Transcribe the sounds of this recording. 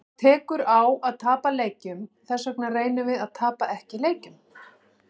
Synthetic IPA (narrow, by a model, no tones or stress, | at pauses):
t̪ʰɛːkʏɾawaðt̪ʰaːpaleːjcʏmθɛsːœknareːjnʏvɪðaðt̪ʰaːpaʔɛhcɪleːjcʏm